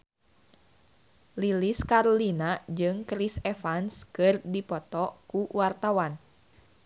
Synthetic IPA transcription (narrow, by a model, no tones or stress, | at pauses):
liliskaɾolinad͡ʒɨŋkɾisɛfanskɨrdipɔt̪ɔkuwart̪awan